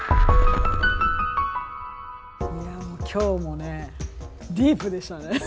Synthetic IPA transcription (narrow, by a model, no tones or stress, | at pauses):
jamokʲʰo̞ːmo̞ne | d̪ʲiːpɯ̟d̪e̞ɕi̥t̪ane